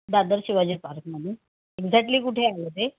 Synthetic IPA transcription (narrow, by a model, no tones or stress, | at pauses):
d̪ad̪əɾɕiʋad͡ʑepaɾkməni | eɡd͡zak̚ʈliːkuʈʰeːalət̪e